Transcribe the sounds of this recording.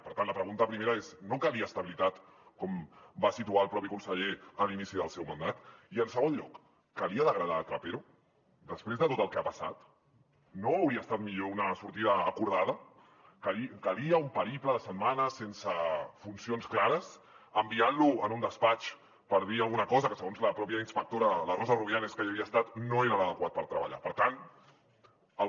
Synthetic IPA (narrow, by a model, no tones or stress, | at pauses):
pəɾt̪antləpɾəɣunt̪əpɾimeɾaeznokaliaːst̪əβilit̪at̪kɔmbasit̪uaəlˠpɾɔpikunsəʎeəlinisiðəlˠsɛwmand̪at̪iənsəɣonʎɔ̰kː | əliəðəɣɾəð̞at̪ɾapeɾu | d̪əspɾezðət̪ot̪əlˠkɛapəsa̰t̪ | noəwɾiəst̪at̪miʎounəsuɾt̪iðəːkuɾð̞að̞ə | kəikəliəumpəɾipləðəsət̪manəsensəfunsionsklaɾəs | əmbianluənund̪əspat͡ʃ | pəɾð̞iəlˠɣunəkɔzəkəsəɣonzləpɾɔpjəinspək̚t̪oɾələrɔzəruβjaneskəiəβiəːst̪at̪noeɾəðəðəkwat̪̚pəɾt̪ɾəβə̰ʎa̰pəɾt̪an | əlˠ